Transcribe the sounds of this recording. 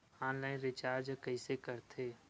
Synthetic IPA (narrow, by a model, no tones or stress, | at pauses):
ãːnlaːɪnɾɪt͡ʃaːɾd͡ʒkəisekəɾt̪ʰeː